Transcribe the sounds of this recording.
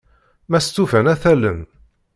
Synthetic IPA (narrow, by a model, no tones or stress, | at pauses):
mæst̪ːufænæθælə̰n